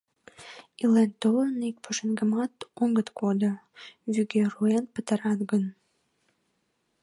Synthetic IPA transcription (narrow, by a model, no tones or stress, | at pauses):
ilent̪olənik̚pʰuʃənɡəmɑt̪oŋɡət̪kod̪o | βyɡeruenpət̪əɾɑt̪ɡən